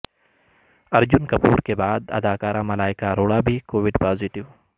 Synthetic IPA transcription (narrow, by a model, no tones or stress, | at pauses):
ɐɾd͡ʒʊnkɐpuːɾkebaːd̪ɐ̰d̪aːkaːɾãmɐlaːɪkaɾoːɽabʱikoːʋɪɖpaːzɪʈɪʋ